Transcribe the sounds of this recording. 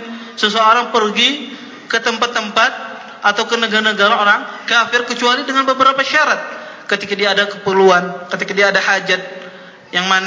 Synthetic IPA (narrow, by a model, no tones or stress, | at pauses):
səsooɾaŋpərɡi | kət̪əmpat̪ːəmpat̪̚ | ʔat̪awkənəɡanəɡaɾaoɾaŋkafɪrkət͡ʃualidəŋanbəbəɾapaʃaɾat̪̚kət̪ikadiaːdakəpəluankət̪ikadiaːdahad͡ʒat̪̚ | jaŋman